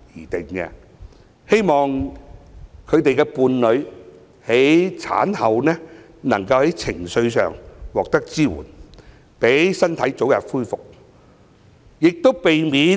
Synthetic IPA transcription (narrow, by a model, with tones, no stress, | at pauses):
jiː˨˩t̪ɪ˨ŋkɛ̰ː˧ | he˥jmɔː˨˩ŋ | kʰɵ˨˧ɥt̪e˨jkɛː˧puː˨˧nlɵ˨˧ɥ | he˨˥jt͡sʰa̰ː˨˥nhɐ˨wnɛː˥ | nɐ˨˩ŋkɐ˧whɐ˨˥jt͡sʰɪ˨˩ŋsɵ˧ɥsœ̰ː˨ŋwɔː˨k̚t̪ɐ˥k̚t͡siː˥wṵː˨˩n | pe˨˥jsɐ˥nt̪ʰɐ˨˥jt͡so˨˥wjɐ˨p̚fuː˥jfʊ˨k̚ | jɪ˨k̚t̪o˥wpe˨jmiː˨˧